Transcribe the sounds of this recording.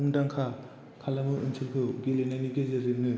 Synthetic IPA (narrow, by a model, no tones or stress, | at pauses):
uŋdaŋkʰa | kʰalamɯɯnsʰɯlkʰɯɡelenaniɡezeɾɯp̚nɯ